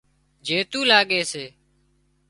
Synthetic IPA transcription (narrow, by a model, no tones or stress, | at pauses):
d͡ʒeːt̪uːlaːɠeːseː